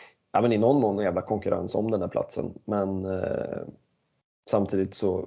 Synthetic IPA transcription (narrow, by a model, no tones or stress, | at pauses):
ja̰ːmɛnɪnɔnːmoːnɛnjæːvlakʰɔŋkɵɾʔa̰nsɔ̰md̪ɛnhæːɾpʰla̰t̪sə̰nmɛn | samt̪ʰiːd̪ɪt̪sɔ